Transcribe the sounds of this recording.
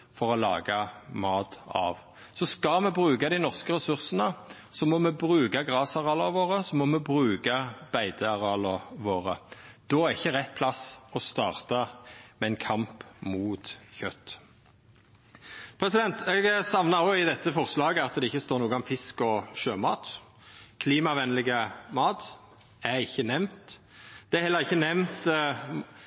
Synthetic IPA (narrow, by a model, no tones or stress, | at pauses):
fɔʁɔlɑ̰ːɡɑmɑːt̪ɑ̰ʋ | sɔskɑmɛbʁʉːkɑd̪æɪnɔʁskəɾɛsʉʁsənə | sɔmɔmɛbɾʉːkɑɡʁɑːsɑʁɑːlɑʋoːʁəsɔmɔmɛbʁʉːɡɑb̥æɪd̪əɑʁɑːlɑʋoːɾəd̪̥ɔːæʁɪçːəɾɛt̪̚ːpʰlɑsɔst̪ɑːʁt̪ɑmɛɛɪnkʰɑmpmuːt̪çœt̪ː | pʰɾɛsɪd̪ɛnt̪ʰɛɡsɑʋnɑɔɪd̪ɛt̪ːəfɔʁslɑːɡəɑt̪d̪ɛɪçːəst̪oːɾnuːɡəɑmfɪskɔʃøːmɑ̰ːt̪ | kʰliːmɑʋɛnlɪɡəmɑːt̪ | æʁɪçːənɛʋmt̪ | d̪̥ɛæhɛlːəɾɪçːənɛʋnt̪